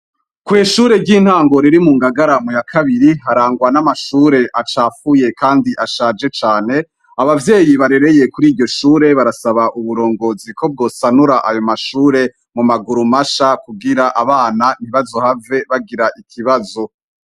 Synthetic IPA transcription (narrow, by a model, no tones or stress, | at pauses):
kweːʃuːɾe̞ɾɟin̥haːŋɡo̞ɾiɾimuːŋɡaɡaɾamujakʰaβiɾiɦaɾaːŋɡwanamaʃuːɾe̞ʔat͡ʃaːfuje̞kaːndiʔaʃaːd͡ʒe̞t͡ʃaːne̞ | aβavje̞ːjiβaɾe̞ɾe̞je̞kuɾiːɾɟo̞ʃuːɾe̞βaɾasaβaʔuβuɾo̞ːŋɡo̞ziko̞b̚ɡo̞ːsanuɾaʔajo̞maʃuːɾe̞ | mumaɡuɾumaʃakuɡiɾaʔaβaːnan̥hiβazohave̞βaɡiɾaʔikʰiβazo̞